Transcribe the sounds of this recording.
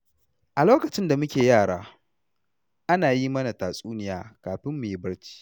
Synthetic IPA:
ʔa˨loː˦kɐ˨t͡ʃɪ˦nda˨mʊ˦kʲeː˨jaː˦˨ɽaː˦ | ʔa˦naː˨ji˦mɐ˦na˨taː˨sʼuː˦nɪ˦jaː˨kaː˨ɸɪ˦mːu˨ji˦bɐ˦ɽt͡ʃi̥ː˦

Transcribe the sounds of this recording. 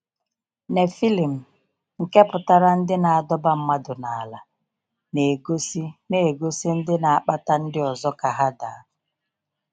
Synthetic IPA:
ne˨fi˦li˨m̩˨ | ŋ̩˨ke˦pʊ˨ta˦ɾa˦n̩˦dɪ˦na˨a˨dɔ˦ba˦m̩˦ma˦dʊ˨na˨a˨la˨ | ne˨ɡsi˦ne˨e˨ɡo˦si˦n̩˦dɪ˦na˨a˦k͡pa˦ta˦n̩˦dɪ˦ɔ˨zɔ˦ka˨ɦa˦da̰˨a˦

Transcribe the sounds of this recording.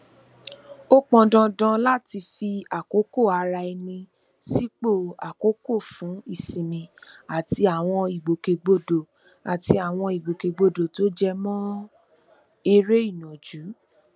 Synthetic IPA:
o˦k͡pɔ̃˧dɔ̃˧dã˧la˦˨ti˧fi˧a˨ko˨˦ko˦˨a˧ɾa˧ɛ˧nĩ˧ | si˦k͡po˦˨a˨ko˨˦ko˦˨fũ˨˦i˦˨sĩ˨mĩ˧a˨ti˧˦a˨w̃ɔ̃˧i˨ɡ͡bo˨ke˨˧ɡ͡bo˧do˨ | a˨ti˧a˨w̃ɔ̃˧i˨ɡ͡bo˨ke˨ɡ͡bo˧˨do˨to˨˦d͡ʒɛ˦˧mɔ̃˦ | e˧ɾe˦i˦˨nɔ̃˨d͡ʒu˨˦

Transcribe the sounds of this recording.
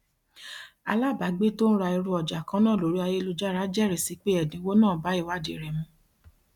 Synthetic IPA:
a˧la˦˨ba˨˦ɡ͡be˦to˦ñ̩˦ɾa˧i˧ɾu˦ɔ˨d͡ʒa˨kã˦nãː˦˨lo˨˦ɾi˦a˧je˦lu˧d͡ʒa˦ɾa˦d͡ʒɛ˦˨ɾɛ˨si˨˦k͡pe˦ɛ˦˨dĩ˨˦wo˦nãː˦˨ba˨˦i˦˨wa˦dḛ˨ɾɛ˨mũ˧˦

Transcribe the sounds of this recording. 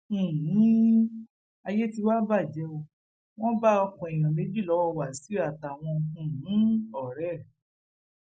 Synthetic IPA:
a˧je˦ti˧wa˦ba˦˨d͡ʒɛ˨˦o˧ | w̃ɔ̃˦ba˦ɔ˧kũ˨i˨j̃ɔ̃˨le˨˦d͡ʒi˦˨lɔ˨˦wɔ˧wa˨si˨˦a˦˨ta˨w̃ɔ̃˧˨˦ɔ˦˨ɾɛ˦˨

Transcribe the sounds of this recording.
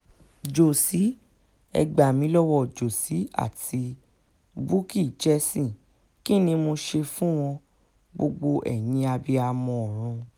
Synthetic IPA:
d͡ʒo˨si˨˦ | ɛ̰˧ɡ͡ba˨mĩ˧˦lɔ˦wɔ˦˨d͡ʒo˨si˨˦a̰˦˨ti˧ | bu˦ki˦˨t͡ʃɛ˧˦sĩ˦˨ | ki˦˨nĩ˧mo˧ʃe˧fũ˦w̃ɔ̃˧ | ɡ͡bo˧ɡ͡bo˧ʔɛ̰˨j̃ĩ˧a˧bi˧a˧mɔ̃˧ɔ˨ɾ̃ũ˧

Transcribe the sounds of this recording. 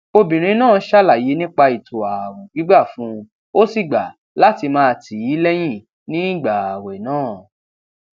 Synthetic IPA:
o˧bĩ˨ɾ̃ĩ˨˦nãː˦˨˦ʃa˦la˨je˨˦nĩ˦k͡pa˧i˨tʰo˨a˨ɾũ˨ɡi˨˦ɡ͡ba˦˨fũ˦˧ | o˦si˦˨ɡ͡ba˨ | la˨˦ti˧mãː˦˧tʰi˨ji˨˦lɛ˦j̃ĩ˦˨ | nĩ˦i˦˨ɡ͡ba˨a˨wɛ˨nãː˦˨

